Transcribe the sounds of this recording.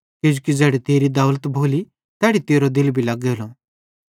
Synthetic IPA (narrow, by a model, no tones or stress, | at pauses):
kɪd͡ʒukid͡zɛːɽɛt̪eːɾid̪ɐʊlt̪bʱoːli | t̪ɛːɽit̪eːɾod̪ɪlbʱilɐɡoːlo